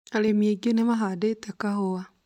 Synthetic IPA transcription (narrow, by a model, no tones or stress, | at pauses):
alemieɡenemaɦadetakahoa